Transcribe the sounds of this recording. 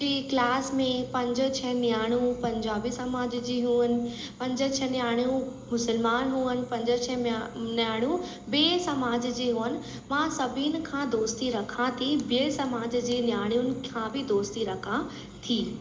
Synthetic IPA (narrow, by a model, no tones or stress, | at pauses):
iːklaːsmẽpɐ̃ɲd͡ʑə̆t͡ɕʰɛnjaːɽ̃ũpɐ̃ɲd͡ʑaːbisɐmaːd͡ʑd͡ʑiːɦuːənɪ̆ | pɐ̃ɲd͡ʑə̆t͡ɕʰɛnjaːɽ̃jũmʊsəlmaːnɦuːənɪ̆pɐ̃ɲd͡ʑə̆t͡ɕʰɛnjaːɽ̃ũ | beːsɐmaːd͡ʑd͡ʑeːɦuːənɪ̆ | mãsɐbʱiʊnɪ̆kʰãːd̪oːst̪iɾɐkʰãt̪ʰibeːsɐmaːd͡ʑd͡ʑiːnjaːɽ̃jʊnɪ̆kʰãːbʱɪd̪oːst̪iɾɐkʰã | t̪ʰiː